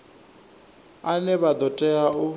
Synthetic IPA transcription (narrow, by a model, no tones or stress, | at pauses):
anɛβad̪ɔtʼɛaʊ